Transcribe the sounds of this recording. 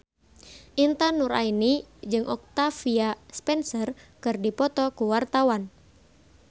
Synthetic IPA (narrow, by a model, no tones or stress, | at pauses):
ʔint̪anuɾa̰inid͡ʒɨŋʔɔk̚t̪afiaspɛnsərkɨrdipɔt̪ɔkuwart̪awan